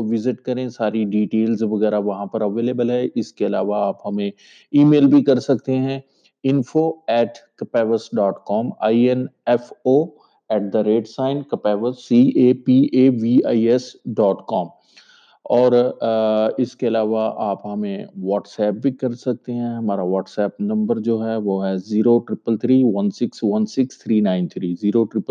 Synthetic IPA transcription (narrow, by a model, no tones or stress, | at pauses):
ʋɪzɪʈkɐɾẽsaːɾiɖiːʈeːlzʋɐɣɛːɾaʋɐɦãpɐɾɐʋeːleːbəlɦɛʔɪskeɐlaːʋaaːpɦɐmẽ | iːmeːlbʱikɐɾsɐk̚t̪eɦɛ̃ | ɪ̃nfoɛːʈkɐpɛːʋəsɖɔːʈkɔːma̰ːiɛnɛfoː | ɛːʈ̚d̪ɐɾeːɖsaːɪnkɐpɛːʋəsːieːpiːeːʋiːaːiɛsɖɔːʈkɔːm | ɔːɾ | ɪskeɐlaːʋaʔaːpɦɐmẽʋɔːʈsɛːp̚bʱikɐɾsɐk̚t̪eɦɛ̃ɦɐmaːɾaʋɔːʈsɛːpnɐ̃mbəɾd͡ʒoːɦɛʋoːɦɛziːɾoʈɾɪpəlt̪ʰɾiːʋɐnsɪksʋɐnsɪkst̪ʰɾiːnãːɪ̃nt̪ʰɾiːziːɾoʈɾɪpə